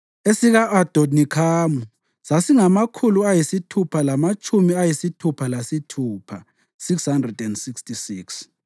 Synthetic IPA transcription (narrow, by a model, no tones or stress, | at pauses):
esiɣaʔad̥ʱonikʰaːmu | sasiŋamakʰuluajisitʰupʰalamat͡ʃʼumiajisitʰupʰalasitʰuːpʰa | sikshandrɛdɛndsikstisiːks